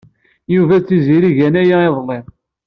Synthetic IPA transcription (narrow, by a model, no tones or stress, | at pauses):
juvæt͡sːiziɾiʝænæjæeðˤlːem